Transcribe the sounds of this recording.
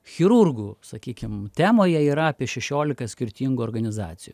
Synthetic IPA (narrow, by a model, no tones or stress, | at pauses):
xʲɪɾurɡuːsɐkʲiːkʲɪmt̪ʲæːmoːjɛiːɾɐɑːpʲiɛʃʲɛʃʲoːlʲɪkɐsʲkʲɪɾʲt̪ʲiːŋɡuɔɾɡɐnʲɪzɑ̰ːt̪sʲɪjuː